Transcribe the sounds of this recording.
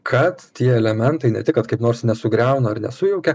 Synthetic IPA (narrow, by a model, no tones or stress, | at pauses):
kʰɐt̪t̪ʲiɛɛlʲɛmʲɛnt̪ɐɪnʲɛ̰t̪ʲɪkɐt̪̚kɐɪpnoːɾsnʲɛsʊɡɾʲæˑʊnɐɐrnʲɛ̰sʊjɛʊkʲɛ